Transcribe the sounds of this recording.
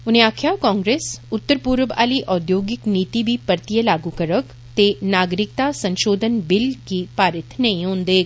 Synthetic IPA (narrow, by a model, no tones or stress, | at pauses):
ʊn̤ẽaːkʰjakɔ̃ːŋɡɾeːsʊt̪ːəɾpuɾʋa̰ːliʔɔːd̪joːɡɪkniːt̪ibʱipɐɾt̪ijəlaːɡukəɾək | t̪enaːɡɾɪk̚t̪asɐ̃nʃoːd̪ʱənbɪlkipaːɾɪt̪nɐɦĩɦõːnd̪eː